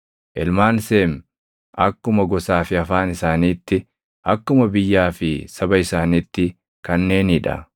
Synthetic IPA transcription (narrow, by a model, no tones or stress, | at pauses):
ʔɛlmaːnseːm | ɐkːʊmɐɡɔsaːfɪɐfaːnɪsaːniːt̪ːɪ | ʔɐkːʊmɐbɪjːaːfɪsɐbɐɪsaːniːt̪ːɪ | kɐnːe̞ːnɪᶑɐ̰